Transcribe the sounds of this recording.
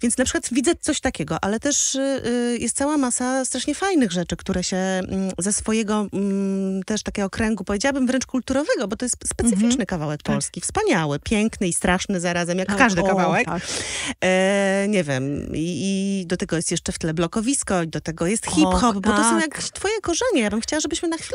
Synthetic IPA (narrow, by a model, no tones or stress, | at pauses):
vʲjɛnt̪snapʂɘ̥kwat̪vʲid̪zɛt̪sɔɕt̪akʲɛɡɔʔalɛt̪ɛʂ | jɛst̪̚sawamasast̪ɾaʂɲɛfajnɘɣʐɛt͡ʂɘkt̪uɾɛɕɛmzɛsfɔjɛɡɔ | t̪ɛʂt̪akʲɛɡɔkɾɛŋɡupɔvjed͡ʑawabɘmvɾɛnt͡ʂkult̪uɾɔvɛɡɔbɔt̪ɔjɛst̪spɛtsɨfʲit͡ʂnɘkavawɛk̚pɔlskʲifspaɲawɘpʲjɛŋknɨist̪ɾʔaʂnɘzaɾazɛmjakkkːaʐd̪ɨkavawɛk | ɲɛvʲjɛmiːd̪ɔt̪ɛɡɔjɛst̪jɛʂt͡ʂɛft̪ɘlɛblɔkɔvʲiskɔid̪ɔt̪ɛɡɔjɛst̪xʲipxɔpbɔt̪ɔsɔ̃w̃jakt̪fɔjɛkɔʐɛɲɛjabɘmxt͡ɕawaʐɛbɘɕmɘnaxfʲil